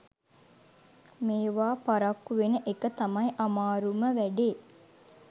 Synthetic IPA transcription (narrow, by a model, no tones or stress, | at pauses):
meːʋaːpaɾɐkːuʋenəʔekət̪amɐjʔamaːɾuməʋæɖeː